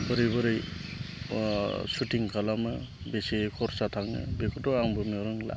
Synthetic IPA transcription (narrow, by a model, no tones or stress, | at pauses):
bɯɾibɯɾij | sutiŋkʰalamɯ | besikʰɔɾsatʰaŋɯ̰bekʰɔtɔaŋbɯmɔɾɯŋla̰